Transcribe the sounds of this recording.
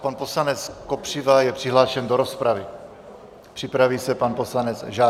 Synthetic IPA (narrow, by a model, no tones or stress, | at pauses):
panpo̞slanɛt͡sko̞pr̥ɪvajɛpr̝̥ɪɦlaːʃɛndo̞ɾo̞spɾavɪ | pr̝̥ɪpɾaviːsɛpanpo̞slanɛt͡sʒaː